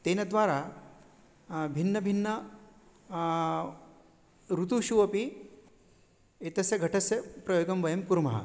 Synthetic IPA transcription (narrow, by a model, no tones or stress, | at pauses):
t̪eːnɐd̪ʋaːɾa | bʱinːɐbʱinːɐ | ɾut̪uʃuʋɐpi | et̪ɐsjɐɡʱɐʈʰɐsjɐpɾɐjoːɡɐmʋɐjɐmkuɾmɐɦɐ̰